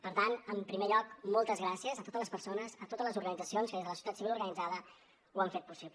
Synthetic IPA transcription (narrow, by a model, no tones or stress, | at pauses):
pəɾt̪anəmpɾimeʎɔk̚mɔlˠt̪əzɣɾasiəzət̪ot̪ələspəɾsonəzət̪ot̪əzləzuɾɣənid͡zəsionskəðezðələsiu̥t̪at̪siβiluɾɣənid͡zaðə | uaɱfet̪̚pusip